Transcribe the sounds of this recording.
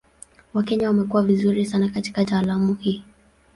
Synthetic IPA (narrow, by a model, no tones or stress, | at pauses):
wakɛɲawamɛkuwavizuɾisanakati̥kataːlamuhiː